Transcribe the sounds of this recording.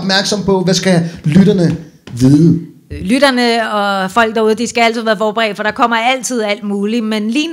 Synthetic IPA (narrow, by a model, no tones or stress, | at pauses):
b̥mæɐɡ̥sɒ̽m̰pʰɒ̽ʋæsɡ̥æjlyɾɐnə | ʋiːðˠə | lyɾ̥ɐnəɒ̽fɒ̽l̰ɡ̥d̥ɑ̈uð̞ˠəd̥isɡ̥ææl̰t͡sʰið̩ˠʋæːɐfɒːb̥eʁɛ̰ːd̥fɒ̽ɾ̥ɑ̈kʰɒ̽m̰ɐæl̰t͡sʰið̞̰ˠæl̰d̥muːlimenliːn